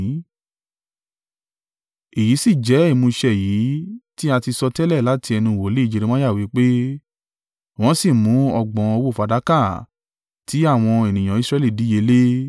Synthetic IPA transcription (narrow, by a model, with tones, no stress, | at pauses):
i˨ji˨˦si˦˨d͡ʒɛ˨˦i˦˨mũ˧ʃɛ˦˨jiː˨˦ti˦a˧ti˧sɔ˧tɛ˦lɛ˦˨la˨˦ti˧ɛ˧nũ˧˨wo˨˦le˦i˦˧d͡ʒe˧ɾe˧mã˦ja˦˨wi˨˦k͡pe˦ | w̃ɔ̃˨˦si˦˨mũ˨˦ɔ˦˨ɡ͡bɔ̃˨˦o˧wo˦˨fa˨˧da˨˦ka˦˨ | ti˨˦a˦˨w̃ɔ̃˧e˨nĩ˨j̃ã˨i˨˧sɾɛ˧li˦˨di˨˦e˧˦le˦